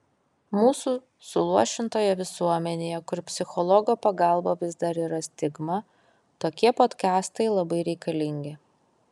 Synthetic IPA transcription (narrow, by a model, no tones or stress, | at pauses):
muːsuː | sʊlˠuɔʃʲɪnt̪oːjɛʋʲɪsuɔmʲɛnʲejɛkʊɾpʲsʲɪxɔlˠɔɡoːpɐɡɑˑlˠbɐʋʲɪzd̪ɐɾiːɾɐsʲt̪ʲɪɡmɐ | t̪oːkʲiɛpoːt̪ʲkʲɑːst̪ɐɪlˠɐbɐɪɾʲɛɪkɐlʲɪŋʲɡʲɪ